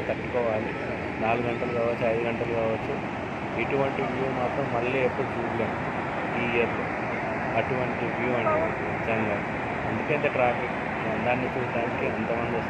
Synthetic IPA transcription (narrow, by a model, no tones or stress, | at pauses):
t̪ɐʈːu̥kɔːʋaːli | naːluɡɡɐɳʈɐlɐɡaːʋɐt͡ʃːuɐjd̪uɡɐɳʈɐlɐɡaːʋɐt͡ʃːu | eʈuʋɐɳʈiʋjuːmaːt̪ɾɐmːɐlːiːepːuɽut͡ʃuːɾɡleːn | iːeɾlu | ɐʈuʋɐɳʈiʋjuɐɳɖi | d͡ʒɐŋɡaː | ɐnd̪ukɐɐnt̪eʈɾaːpik | d͡ʒɐnd̪aːnːit͡ʃuːsɖaːnikiɐnt̪ɐmɐnd̪es